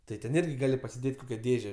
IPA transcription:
tɐɪ tʲɛn ˈɪrʲɡʲɪ ˈɡɑːlʲɪ pɐsʲɪˈdʲeːtʲ ˈkoːkʲɛ ˈdʲeːʒʲɛ

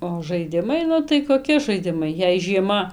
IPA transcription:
oː ʒɐɪˈdʲɪmɐɪ ˈnʊ tɐɪ koːˈkʲɪ ʒɐɪˈdʲɪmɐɪ jɛɪ ʒʲiɛˈmɐ

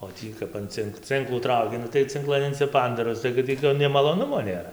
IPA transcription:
oː ˈtʲiː kɐp ɐn ˈt͡sʲɪŋk ˈt͡sʲɪŋklˠuː ˈtrɐʊkʲɪ ˈnʊ tɐɪ t͡sʲɪŋˈklˠɐn ɪnʲsʲɪˈpɐndɐˈroːs tɐɪ kɐt ˈtʲiː toː nʲɛɪ mɐlˠoːˈnʊmoː nʲeːˈrɐ

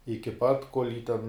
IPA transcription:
ɪkʲɪ ˈpɐt koːlʲ jiː tʲɛn

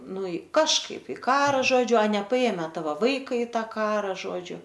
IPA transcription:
ˈnʊ ɪ kɐʃˈkɐɪp ɪ ˈkɑːrɐ ˈʒoːd͡ʒʲʊ ɐ nʲɛpɐˈeːmʲɛ ˈtɑːʋoː ˈʋɐɪkɐ ɪ ˈtɑː ˈkɑːrɐ ˈʒoːd͡ʒʲʊ

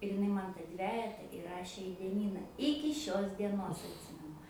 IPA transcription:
ɪr ɪˈnɐɪ ˈmɐn tɐ ˈdʲʋʲæːjɛtɐ iːˈrɑːʃʲeː iː dʲiɛˈnʲiːnɐ ˈɪkʲɪ ʃʲoːs dʲiɛˈnoːs ɐtʲˈsʲɪmʲɛnʊ

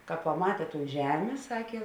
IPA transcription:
kɐ pɐˈmɑːtʲeː toːn ˈʒʲæːmʲeː ˈsɑːkʲeː

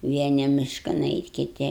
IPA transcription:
ˈʋʲiɛnʲɪ ˈmʲɪʃkɐn ˈɛɪtʲ kʲɪˈtʲɪ

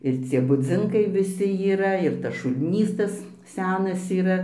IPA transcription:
ɪr ˈt͡sʲiɛ bʊˈd͡zʲɪŋkɐɪ ʋʲɪˈsʲɪ iːˈrɐ ɪr tɐs ʃʊlʲˈnʲiːs ˈtɐs ˈsʲæːnɐs iːˈrɐ

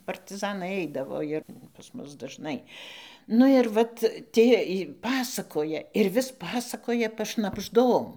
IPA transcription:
pɐrʲtʲɪˈzɑːnɐɪ ˈɐɪdɐʋoː ɪr pɐs ˈmʊs dɐʒˈnɐɪ ˈnʊ ɪr ˈʋɐt ˈtʲiɛ ɪ ˈpɑːsɐkoːjɛ ɪr ʋʲɪs ˈpɑːsɐkoːjɛ pɐʃnɐbʒˈdoːm

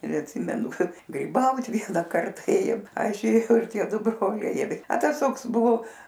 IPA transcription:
ɪr ɐtʲˈsʲɪmʲɛnʊ ˈkɐt ɡrʲiːˈbɐʊt ˈʋʲiɛnɐ ˈkɐrtɐ ˈeːjoːm ˈɐʃ eːˈjɛʊ ɪr ˈtʲiɛ ˈdʊ ˈbroːlʲɛɪ ɪr ɐ ˈtɐs ˈtoːks ˈbʊʋoː

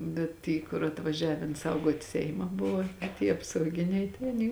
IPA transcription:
ˈbʲɛt ˈtʲiː kʊr ɐtʋɐˈʒʲæːʋʲɛn ˈsɐʊɡuɔtʲ ˈsʲɛɪmɐ ˈbʊʋoː ɐ tʲiɛ ɐpsɐʊˈɡʲɪnʲɛɪ tɐɪ ɐˈnʲiː

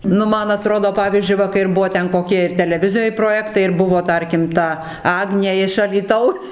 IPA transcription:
ˈnʊ ˈmɐn ɐˈtroːdoː ˈpɑːʋʲiːzʲd͡ʒʲʊɪ ˈʋɐ kɐɪ ɪr ˈbuɔ koːˈkʲiɛ ɪr tʲɛlʲɛˈʋʲɪzʲɪjoːj proːˈjæːktɐɪ ɪr ˈbʊʋoː ˈtɐrʲkʲɪm ˈtɐ ˈɑːɡnʲeː ɪʃ ɐlʲiːˈtɐʊs

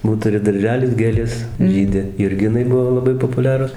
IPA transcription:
ˈbuːt ˈtʊrʲɪ dɐrʲˈʒʲæːlʲɪs ˈɡʲeːlʲeːs ˈʒʲiːdʲɪ jʊrʲˈɡʲɪnɐɪ ˈbʊʋoː lˠɐˈbɐɪ poːpʊˈlʲæːrʊs

